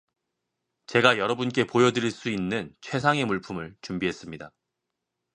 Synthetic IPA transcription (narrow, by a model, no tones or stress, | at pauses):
t͡ɕe̞ɡajʌɾʌbunk͈e̞pojʌdɯɾiɭs͈uinːɯnt͡ɕʰwe̞sʰaŋe̞muɭpʰumɯɭt͡ɕumbiɦe̞s͈ɯmɲida